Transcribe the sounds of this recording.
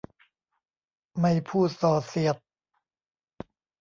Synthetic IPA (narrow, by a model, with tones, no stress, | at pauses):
ma˥˩jpʰuː˥˩t̪̚sɔː˨˩si˨˩ət̪̚